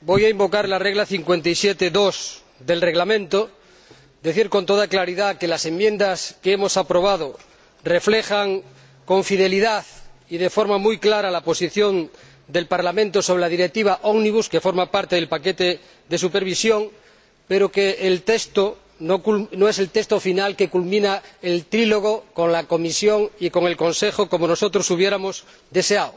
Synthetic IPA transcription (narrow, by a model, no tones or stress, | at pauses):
bo̞jaimbo̞kaɾlareɣlaθiŋkwe̞nt̪ajsjet̪eðos | ðe̞lreɣlamẽnt̪o | d̪eθiɾko̞nt̪oðaklaɾiðakelase̞mmjẽ̞nd̪askeemo̞sapɾo̞β̞að̞o | re̞flexaŋ | ko̞ɱfiðe̞liðaθið̞e̞foɾmamujklaɾalapo̞siθjo̞n | d̪e̞lpaɾlamẽnt̪osoβɾelaðiɾek̚t̪iβ̞aʔoɣniβ̞uskefo̞ɾmapaɾt̪eðe̞lpake̞t̪e | ðe̞supeɾβ̞isjoŋ | pe̞ɾokeːlt̪est̪o | nokulnoese̞lt̪est̪ofinalke̞kulmĩnaelt̪ɾilo̞ɣ̞oko̞ŋlako̞misjo̞ŋiko̞ŋe̞lko̞nse̞xoko̞mono̞so̞t̪ɾosuβ̞je̞ɾamos | d̪e̞seao